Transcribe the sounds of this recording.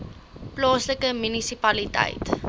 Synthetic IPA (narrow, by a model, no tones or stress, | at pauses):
plɑːsləkəmynisipɐlitɛ̰jt